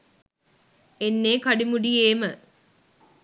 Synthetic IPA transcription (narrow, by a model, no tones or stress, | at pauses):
enːeːkɐɖimuɖijeːmə